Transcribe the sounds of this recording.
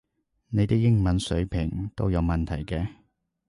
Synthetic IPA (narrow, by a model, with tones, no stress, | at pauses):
ne˨˧jt̪ɪ˥k̚jɪ˥ŋmɐ˨˥nsɵ˨˥ɥpʰɪ˨˩ŋt̪o̰˥wjɐ˨˧wmɐ˨nt̪ʰɐ˨˩jkɛː˧